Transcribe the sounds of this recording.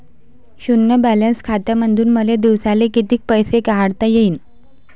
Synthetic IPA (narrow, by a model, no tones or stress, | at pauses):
ɕunjəbælənskʰat̪jamənd̪ʱuːnməled̪iʋsalekit̪iːk̚pəjsekaɦaɽt̪ajeiːn